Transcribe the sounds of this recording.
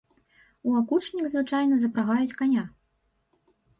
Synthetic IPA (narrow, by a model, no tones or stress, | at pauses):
uakut͡ʂnʲiɣzvɨt͡ʂajnɐzɐpɾaɣajut͡sʲkanʲa